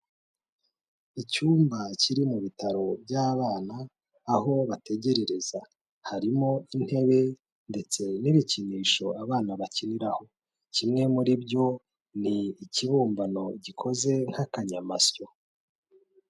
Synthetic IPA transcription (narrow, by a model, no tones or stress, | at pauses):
icuːmbaciɾimuβitaɾo̞bɟaːβaːnaː | ɦo̞βate̞ɟe̞ɾe̞ɾe̞za | haɾimo̞in̥he̞βe̞ | nde̞t͡se̞niβiciniːʃo̞aβaːnaβaciniɾaho̞ | cimŋe̞muɾibɟo̞ | niːciβuːmbano̞ɟikʰo̞ze̞ŋ̥hakaɲamasjo̞